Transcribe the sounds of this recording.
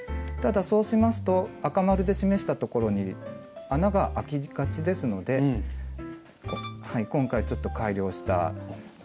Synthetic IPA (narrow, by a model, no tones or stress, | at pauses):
t̪ad̪aso̞ːɕimasɨ̥t̪o̞akamaɾɯ̟d̪e̞ɕime̞ɕi̥t̪at̪o̞ko̞ɾo̞ɲ̟ianaɡaʔakʲiɡ̥at͡ɕid̪e̞sɨno̞d̪e̞ | haikõ̞ŋkait͡ɕo̞t̪ːo̞kaiɾʲo̞ːɕi̥t̪a̰